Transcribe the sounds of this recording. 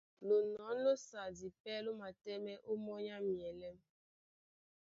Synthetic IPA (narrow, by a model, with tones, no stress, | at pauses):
lo˨nɔ˨˦no˦sa˨di˨pɛ˦lo˦ma˨tɛ˦me˦ʔo˦mɔ˦ɲa˦mi˨ɛ˨le˦m˦